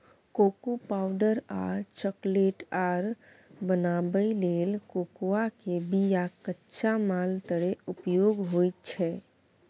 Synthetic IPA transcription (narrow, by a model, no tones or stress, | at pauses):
kokupawɖəɾa̰t͡ʃəkleʈaɾ | bənabəilelkokuakebijakətːʃʰamalt̪əɾeupjoɡɦojt̪t͡ʃʰɛ